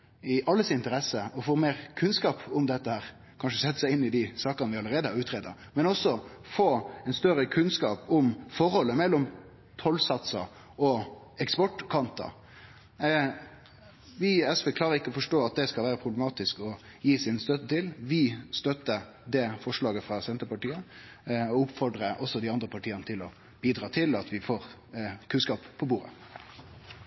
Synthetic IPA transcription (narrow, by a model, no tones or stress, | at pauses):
ɪʔɑlːəsɪnt̪əɾɛsəɔfoːmeːɾkʰʉnskɑːpʊmd̪ɛt̪ːəhæːɾ | kʰɑnʂəsɛt̪ːə̥sæɪɪnːɪd̪ɪsɑːkənəʋɪɑləɾeːd̪əhɑɾʉːt̪ʰɾeːd̪ɑ̰ | mɛnɔsːɔfoːɛnst̪œɾəkʰʉnskɑːpʊmfɔɾhɔlːəmɛlːɔm | t̪ʰɔlsɑt̪sɑ̰ | ɔ | ɛkspɔʈːkʰɑnt̪ɑ̰ | ʋɪɛsʋeːklɑːɾəɪkːəɔfɔʂʈoːɑt̪̚d̪ɛskɑlʋæːɾəpʰɾʊbləmɑːt̪ɪskɔ | jiːsɪnst̪œt̪ːət̪ʰɪlʋɪst̪œt̪ə | d̪ɛfɔʂɭɑːɡəfʁɑsɛnt̪əpɑʈiːə | ɔʊpfɔɖɾəʔɔsːɔd̪ɪɑnd̪ɾəpʰɑʈʰiːənət̪ʰɪlɔ | b̥iːd̪ɾɑːt̪ʰɪlɑt̪ʋɪfoːɾ | kʰʉnskɑːppʰːɔbuːɾə̰